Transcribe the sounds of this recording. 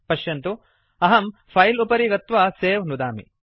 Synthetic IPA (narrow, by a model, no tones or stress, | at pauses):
pɐʃjɐnt̪u | ɐɦɐmpʰɐjlupɐɾiɡɐt̪ʋɐseːʋnud̪aːmḭ